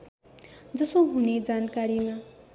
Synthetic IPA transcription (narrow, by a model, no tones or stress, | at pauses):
d͡zʌsoɦuned͡zankaɾima